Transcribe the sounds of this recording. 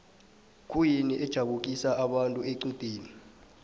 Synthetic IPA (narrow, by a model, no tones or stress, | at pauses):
kʼujiniʔɛd̥ʒ̥ʱaɓuk̬ʼisaaɓantʼueǀid̥ʱeːni